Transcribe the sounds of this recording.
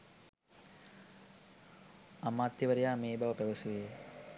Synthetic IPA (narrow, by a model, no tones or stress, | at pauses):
amaːt̪ːjɐʋəɾejaːmeːbaʋəpæʋəsuʋeje